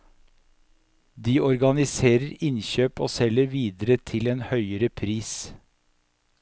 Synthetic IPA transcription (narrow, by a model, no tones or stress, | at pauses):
d̪iːʔɔɾɡɑnɪseːɾəɾɪnçøːpo̰ːsɛləɾʋiːd̪əɾət̪ʰɪleːnhœʏəɾəpʰɾiːs